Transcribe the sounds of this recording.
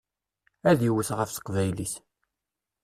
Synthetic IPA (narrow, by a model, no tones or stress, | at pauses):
æðjəwəθʁəfsə̥qvæjliθ